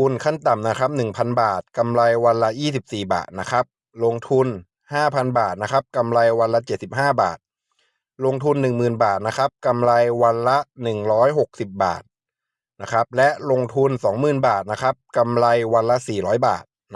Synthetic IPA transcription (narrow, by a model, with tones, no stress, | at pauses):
u˧nkʰa˥˩nt̪a˨˩mna˦˥kʰa˦˥p̚nɯ˨˩ŋpʰa˧nbaː˨˩t̪̚ka˧mla˧jwa˧nla˦˥jiː˥˩si˨˩p̚siː˨˩ba̰ː˨˩t̪̚na˦˥kʰɾa˦˥p̚ | lo˧ŋt̪ʰu˧n | haː˥˩pʰa˧nbaː˨˩t̪̚na˦˥kʰa˦˥p̚ka˧mla˧jwa˧nla˦˥t͡ɕe˨˩t̪̚si˨˩p̚ɦaː˥˩ba̰ː˨˩t̪̚ | lo˧ŋt̪ʰu˧nːɯ˨˩ŋmɯː˨˩nbaː˨˩t̪̚na˦˥kʰa˦˥p̚ka˧mla˧jwa˧nla˦˥nɯ˨˩ŋɾɔː˦˥jɦo˨˩k̚si˨˩p̚ba̰ː˨˩t̪̚ | na˦˥kʰa˦˥p̚lɛ˦˥ʔlo˧ŋt̪ʰu˧nsɔː˩˦ŋmɯː˨˩nbaː˨˩t̪̚na˦˥kʰa˦˥p̚ka˧mla˧jwa˧nla˦˥siː˨˩ɾɔː˦˥jba̰ː˨˩t̪̚